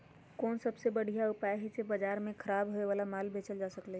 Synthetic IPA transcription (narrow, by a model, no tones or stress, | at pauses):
koːnsəbsebəɽ̤ʱijaupaeɦɛt͡ʃebəd͡ʒaɾmekʰəɾabɦoeʋalamalbʱet͡ʃəld͡ʒasəklɛ